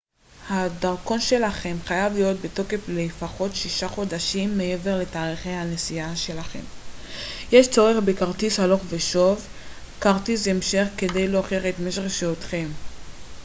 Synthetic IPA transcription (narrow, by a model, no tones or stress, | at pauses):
hadaʁko̞nʃe̞laχe̞mχajavlijo̞t̪̚beto̞ke̞flefaχo̞tʃiʃaχo̞daʃimːeʔe̞ve̞ʁle̞taːʁiχejhanesiaʃe̞laχe̞̰m | jeʃt͡soʁeχbekaʁt̪ishalo̞χve̞ʃo̞v | kaʁt̪isemʃeχke̞de̞jloːχeχet̪meʃeʁeʃeot̪χe̞m